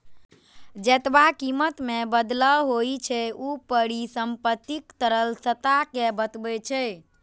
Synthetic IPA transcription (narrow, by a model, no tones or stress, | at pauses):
d͡ʒet̪bakimət̪mebəd̪ləɦojt͡ʃʰɛupəɽisəmpət̪ːikt̪əɾəlsət̪akebət̪bɛt͡ʃʰɛ